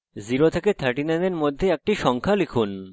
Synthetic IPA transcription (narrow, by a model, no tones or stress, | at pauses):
ziɾot̪ʰeket̪ʰaɾʈinɛneɾmod̪ʱːeɛk̚ʈiʃɔŋkʰalikʰun